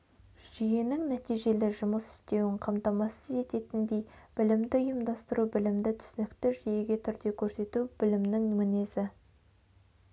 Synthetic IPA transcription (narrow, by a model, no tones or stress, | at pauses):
ʒ̥ije̞nɪŋnæt̪ijʒe̞lɪʒʊməsɪ̥st̪e̞wɪɴqʰɑmt̪ɑmɑsəze̞t̪e̞t̪ɪnd̪e̞jb̥ɪlɪmd̪ɪʊjəmd̪ɑst̪əɾubɪlɪmd̪ɪt̪ʰʏ̥sɪnɪkt̪ɪʒije̞ɡʲe̞t̪ʰʏɾd̪e̞kʲʰɵɾse̞t̪ubɪlɪmnɪŋmɪnezɪ